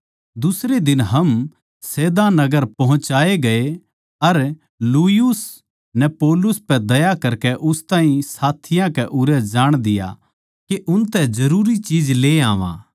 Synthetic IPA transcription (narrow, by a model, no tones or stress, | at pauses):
d̪ʊsɾed̪ɪnɦɐm | seːd̪anɐɡəɾpɐɦʊ̃t͡ʃaːeɡɐe | ɐɾ | luːɪjʊs | nɛpoːlʊspɛd̪ɐjakɐɾkɛʔʊst̪ãːɦĩsaːt̪ʰɪjãkɛʔʊɾɛd͡ʒaːɽ̃d̪ɪja̰ | keʔʊnt̪ɛd͡ʒɐɾuːɾit͡ʃiːd͡ʒleːaːʋã̰ː